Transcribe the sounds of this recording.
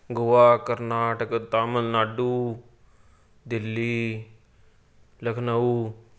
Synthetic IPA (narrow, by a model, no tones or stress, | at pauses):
ɡʊʋaːkɐɾnaːʈəkət̪aːməlnaːɖuː | d̪ɪlːiː | ləkʰnɐu